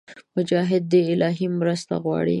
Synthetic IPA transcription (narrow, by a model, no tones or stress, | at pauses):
mʊd͡ʒɑɦɪd̪̚ːəɪlɑɦimɾəst̪a̰ɣwɑ̰ɽḭ